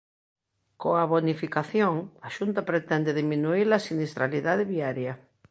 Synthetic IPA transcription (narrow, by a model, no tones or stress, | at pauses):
koaβonifikaθjoŋaʃunt̪ɐpɾet̪ɛnd̪eðimĩnuilɐsinist̪ɾaliðaðeβiaɾjɐ